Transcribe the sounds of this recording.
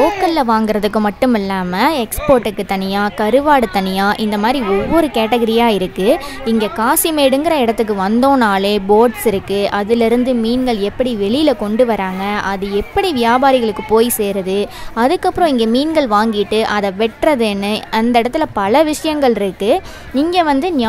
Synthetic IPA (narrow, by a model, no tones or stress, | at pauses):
oːkːɐllɐʋaːŋɡɪɾɐðɯkːɯmɐʈːɯmɪlːaːmɐɛkspoːɾʈːɯkːɯt̪ɐnɪjaːkɐɾɯʋaːɽɯt̪ɐnɪjaːʔɪnd̪ɐmaːd̪ɾiɔʋːɔɾɯkeːʈɐɣɐɾɪjaːɪɾɯkːɯɪŋɡekaːsimeːɽɯŋɡɪɾɐɪɽɐt̪ːɯk̬ːɯʋɐnd̪õːnaːleːboːʈsɪɾɯkːɯʔɐðɪlɪɾɯnd̪ɯmiːnɡɐɭɛpːɐɽiʋɛɭɪjɪlɐkɔɳɖɯʋɐɾaːŋɡɐʔɐðɯɛpːɐɽiʋɪjaːbaːɾɪɣɐɭɯkːɯpoːjiseːɾɐðɯɐðɯkːɐpːɯɾõɪŋɡemiːnɡɐɭʋaːŋɡɪʈːɯʔɐðɐʋɛʈrɐðɯɛnːɯɐnd̪ɐɪɽɐt̪ːɪlɐpɐlɐʋɪʂɐjɐŋɡɐɭɪɾɯkːɯ | niːŋɡɐʋɐnd̪ɯn